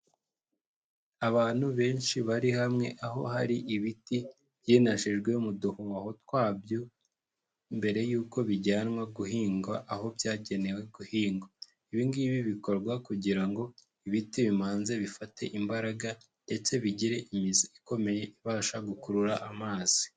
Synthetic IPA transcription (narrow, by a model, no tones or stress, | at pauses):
aβaːn̥huβe̞ːnʃiβaɾihamŋe̞̰ʔaɦo̞̰haɾiʔiβiti | βjiːnaʃiʒɡwe̞umuduhuaho̞twaːbjo̞ | mbe̞ɾe̞juːko̞βiɟaːnŋwaɡuɦiːŋɡaʔːho̞bjaːɟe̞ne̞we̞ɡuhiːŋɡa | iβiŋɡiːβiβiko̞ɾɡwakuɟiɾaŋɡo̞ | iβitiβimaːnze̞βifate̞̰ʔimbaɾaɡa | nde̞t͡se̞βiɟiɾe̞ʔimiziiko̞me̞je̞ʔiβaːʃaɡukuɾuɾaʔamaːz̥i̥